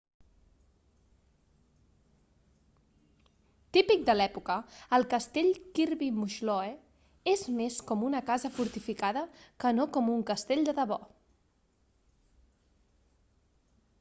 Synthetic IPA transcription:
t̪ipik̚d̪əlɛpukəːlˠkəst̪eʎkiɾβimuʃlɔe | ezmeskɔmunəkazəfuɾt̪ifikaðəkənokɔmuŋkəst̪eʎʲd̪əðəβɔ

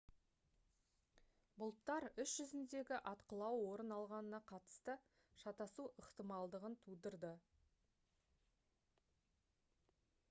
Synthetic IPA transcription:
bʊlˠt̪ːɑɾʏsʒ̥ʏzɪnd̪e̞ɡʲɪʔɑt̪qəlˠɑwwo̞ɾənɑlˠʁɑnənɑqʰɑt̪ə̥st̪ə | ʃɑt̪ɑsuʔəqt̪əmɑlˠd̪əʁənt̪ʰud̪əɾd̪ə

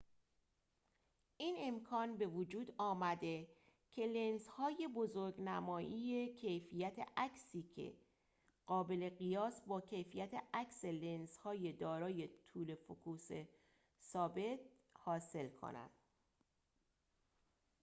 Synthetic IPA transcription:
ʔiːne̞mkʰɒːnbe̞vod͡ʒuːd̪ɒːmæd̪e̞ | cʰe̞lenzhɒːje̞bo̞zoɾɡnæmɒːʔije̞cʰe̞jfijæt̪ʰḛʔæksiːcʰe̞̰ | ɢ̥ɒːbe̞le̞ɣijɒːsbɒːcʰe̞jfijæt̪ʰeækse̞lenshɒːje̞d̪ɒːɾɒːjet̪ʰuːle̞fokʰuːse | sɒːbe̞t̪̚ | hɒːse̞lkʰo̰næ̰nd̪̥

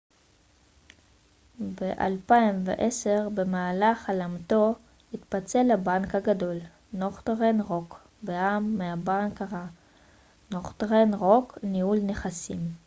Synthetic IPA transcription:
beʔa̰lpaimvḛʔese̞ʁbe̞maːlaχalamt̪o̞ | it̪pat͡se̞labankhaɡado̞l | noχt̪ʁenʁo̞k | beamːeabankaʁa | noχtʁenʁo̞knihulneχasim

